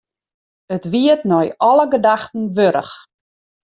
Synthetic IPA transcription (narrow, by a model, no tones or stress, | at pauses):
ətʋiətnɔjɔləɡədaxtn̩ʋøɾə̰x